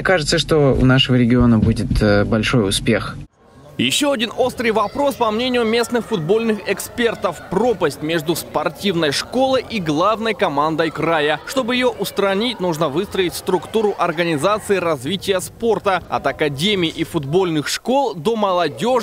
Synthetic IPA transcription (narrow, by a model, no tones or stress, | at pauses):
kaʐɨt̪səʂt̪oʊ̰naʂɨvəɾʲɪɡʲɪo̞nəbudʲɪt̪əbɐlʲʂo̞jʊspʲe̞x | jɪɕːoɐdʲino̞st̪ɾɨjvɐpɾo̞spɐmnʲenʲɪjʊmʲe̞snɨxfʊd̪̚bo̞lʲnɨxɛkspʲe̞rt̪əfpro̞pəsʲtʲmʲe̞ʐd̪ʊspɐrtʲivnəjʂko̞lˠɨjʔiɡlˠavnəjkɐmand̪əjkrajəʂt̪o̞bɨjɪjoʔʊst̪ɾɐnʲitʲnuʐnəvɨst̪ɾəɪtʲst̪ɾʊkt̪uɾʊʔɐrɡənʲɪzat̪sɨɪɾɐzvʲitʲɪjəspo̞rt̪əɐ̰t̪ɐkɐdʲemʲɪːʔifʊd̪bo̞lʲnɨxʂko̞lˠd̪o̞mɐlˠɐdʲo̞